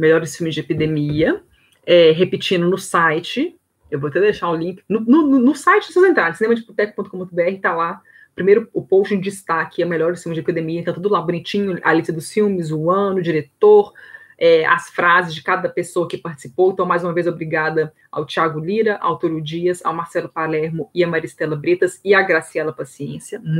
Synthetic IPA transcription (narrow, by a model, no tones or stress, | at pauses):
meʎɔɾɪsfiwmɪzd͡ʒɪepid̪emiɐ | ɛɦepit͡ʃĩnd̪ʊnʊsajt͡ʃɪ | ewvoɐt̪ɛd̪ejʃaɾʊlĩkɪ̥nʊnʊnʊnʊsajt͡ʃɪʊsewzẽnt̪ɾaɾẽsinẽmɐd͡ʒɪput̪ɛkʊpõt̪ʊkõpõʊbeɛhɪt̪ala | pɾimejɾʊʊpowst͡ʃĩd͡ʒist̪akɪɛmeʎɔɾɪsfiũmɪzd͡ʒepid̪emiɐẽt̪ɐ̃w̃t̪ud̪ʊlabunit͡ʃĩɲʊa̰lisɐd̪ʊsfiwmɪzʊɐ̃nʊd͡ʒiɾet̪oɾɛɐ̰sfɾazɪzd͡ʒɪkad̪ɐpesowɐkɪpaɾt͡ʃɪ̥si̥powẽt̪ɐ̃w̃majzũmɐvejzobɾiɡad̪ɐ | a̰wt͡ʃiaɡʊliɾɐʔa̰wt̪oɾud͡ʒiɐzɐ̰wmaɾsɛlʊpalɛɾmʊɪɐmaɾist̪ɛlɐbɾet̪ɐsɪaɡɾasiɛlɐpasiẽsiɐ